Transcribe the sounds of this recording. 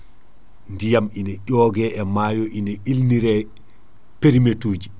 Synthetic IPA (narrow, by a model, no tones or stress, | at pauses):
ndijaminɛʄɔːɡɛɛmaːjɔʔinɛilniɾɛ | peɾimetuːd͡ʒi